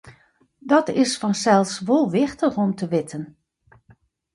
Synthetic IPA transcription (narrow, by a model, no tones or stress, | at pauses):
dɔtɪsfɔnsɛlˠfsʋolˠʋɪxtəxɔmtʰəʋɪtʰən